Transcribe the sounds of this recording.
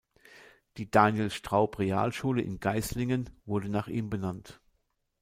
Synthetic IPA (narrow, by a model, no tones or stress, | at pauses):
d̥iːd̥aːnjelsʃtʁ̥aʊpʁea̰ːlʃuːləʔɪ̰nɡ̥aɪslɪŋənvʊɐdənaːχʔiːmbənant